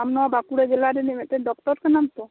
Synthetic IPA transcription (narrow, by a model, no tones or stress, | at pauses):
amnɔabakuɽed͡ʒelaɾenemet̪eɖɔk̚t̪ɔɾkenamt̪o